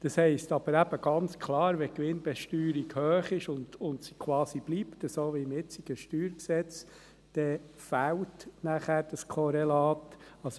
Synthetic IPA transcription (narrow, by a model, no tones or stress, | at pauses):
d̥ɑshɛɪstɑb̥əɾæb̥əɡ̥ɑnt͡skʰlɑːɾʋɛkʋɪnb̥ɛʃtyːɾiɡhøːχɪʃʊndʊntsi̥kʰwɑːsib̥liptəsoːʋiɪmɪt͡siɡ̥əʃtyːɾksɛt͡s | d̥ɛ | fæwtnæχæːɾd̥ɑskʰɔɾɛlɑːtɑs